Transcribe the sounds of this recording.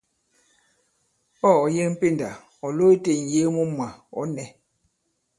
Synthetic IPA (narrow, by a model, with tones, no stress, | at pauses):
ɔ˦˨ɔ˨je˦m̩˦pe˦˨nda̰˨ | ɔ˨lo˦i˦te˨n˨je˨˦mu˦mwa˨ɔ̰˨˦nɛ˨